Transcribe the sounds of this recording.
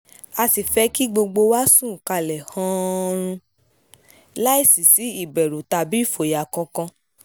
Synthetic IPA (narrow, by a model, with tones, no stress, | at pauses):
a˧si˨fɛ˧ki˦ɡ͡bo˧ɡ͡bo˧wa˦sũ˦˨ka˧lɛ˨hã˦˧ɾ̃ũ˧ | la˦i˦˨si˨si˨˦i˦˨bɛ˨ɾu˨ta˧bi˦˨fo˨ja˨kɔ̃˧kɔ̃˧